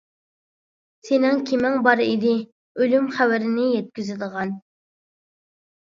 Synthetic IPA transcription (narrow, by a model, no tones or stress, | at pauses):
senɪŋkʲʰimɪŋbɑɾid̪ɪ | ølymχæwæɾɪnɪjɛt̪̚kʲyzɪləʁɑn